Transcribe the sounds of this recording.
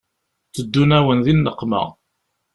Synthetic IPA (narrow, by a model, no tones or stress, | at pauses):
t͡sːəd̪ːunæwənðinːəqːmə̰ʁ